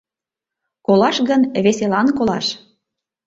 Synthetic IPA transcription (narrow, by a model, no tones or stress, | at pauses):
kolɑʃɣənβeselɑnkolɑ̰ʃ